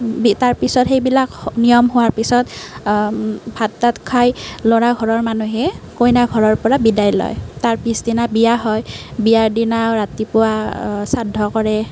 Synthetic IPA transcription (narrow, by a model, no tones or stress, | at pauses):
bitaɹpisɔtxejbilaknijɔmɦʊwaɹpisɔt | bʱatːatkʰajlɔɹaɡʱɔɹɔɹmanuɦɛkojnaɡʱɔɹɔɹpɔɹabidajlɔ̰jtaɹpisdinabijaɦɔjbijaɹdinaɹatipʊwasadʱɔkɔɹɛ